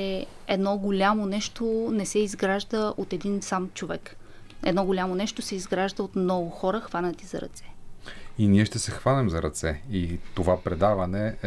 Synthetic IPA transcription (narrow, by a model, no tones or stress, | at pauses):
ɛ | ɛd̪nɔɡolʲamonɛʃt̪onɛsɛizɡɾaʒd̪əot̪ɛd̪insamt͡ʃovɛk | ɛd̪nɔɡolʲamonɛʃt̪osɛizɡɾaʒd̪əot̪mnɔɡʊxɔɾəxvanət̪izɐ̰ɾɐ̰t̪sɛ̥iniɛʃt̪ɛsɛxvanɛmzɐɾɐt̪sɛit̪ovapɾɛd̪avɐnɛ